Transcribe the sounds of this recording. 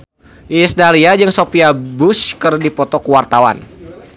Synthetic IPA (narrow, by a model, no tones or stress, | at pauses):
ʔisdaliad͡ʒɨŋsopiabʊskɨrdipɔt̪ɔkuwart̪awa̰n